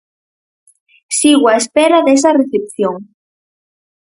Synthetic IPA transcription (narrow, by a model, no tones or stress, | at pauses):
siɣwaespeɾaðesareθep̚θjoŋ